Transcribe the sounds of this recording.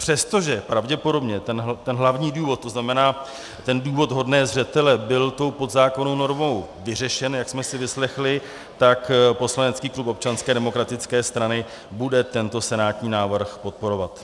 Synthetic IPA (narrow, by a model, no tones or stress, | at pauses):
pr̥ɛst̪o̞ʒɛpɾavɟɛpo̞do̞bɲɛt̪ɛnt̪ɛnɦlavɲiːduːvo̞t̪̚t̪ːo̞znamɛnaː | t̪ɛnduːvo̞t̪ɦo̞dnɛːzrɛt̪ɛlɛbɪlt̪o̞wpo̞d̪zaːko̞no̞wno̞ɾmo̞wvɪr̝ɛʃɛnjaksmɛsɪvɪslɛxlɪ | t̪akpo̞slanɛt͡skiːklupo̞p̚t͡ʃanskɛːdɛmo̞kɾat̪ɪt͡skɛːst̪ɾanɪ | budɛt̪ɛnt̪o̞sɛnaːt̪ɲiːnaːvr̩xpo̞t̪̚po̞ɾo̞vat̪